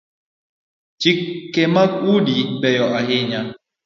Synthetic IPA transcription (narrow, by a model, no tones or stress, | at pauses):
t͡ʃikːɛmakudibɛjɔʔaɦɪɲa